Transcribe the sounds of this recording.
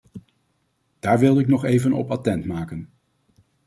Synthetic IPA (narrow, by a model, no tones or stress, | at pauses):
d̥aːɹʋɪlˠɪknɔχejvənɔ̰patɛntmaːkən